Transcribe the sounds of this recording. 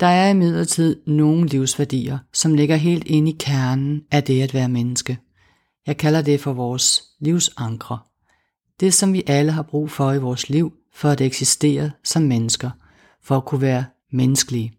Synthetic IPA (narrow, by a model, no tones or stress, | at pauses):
d̥ɑ̈æɐimið̞̰ˠlɐt͡sʰið̞̰ˠno̝ːn̩liʊsʋæɐd̥ḭːɐsɒ̽mle̝ɡ̥ɐɦe̝̰ːld̥e̝nəikʰæɐnn̩æd̥e̝æd̥ʋæːɐmenəsɡ̥ə | jɑ̈ɪkʰælɐd̥e̝fɒ̽ʋɒːs | liʊsɑ̈ŋɡ̥ʁɐ | d̥e̝sɒ̽mʋiʔæləɦɑ̈b̥ʁṵːfɒ̽iʋɒːsliʊ̰ | fɒ̽æd̥eɡ̥sisd̥e̝̰ːɐðsɒ̽mːenəsɡ̥ɐ | fɒ̽ækʰuʋæːɐ | menəsɡ̥əli